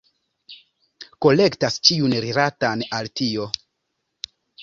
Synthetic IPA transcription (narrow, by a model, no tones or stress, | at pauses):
ko̞le̞ktast͡ʃiunɾiɾatanaltio̞